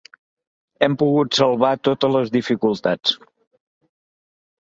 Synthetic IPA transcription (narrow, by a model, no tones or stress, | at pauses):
ɛmpuɣut̪səlˠβat̪ot̪ələzðifikulˠt̪at͡s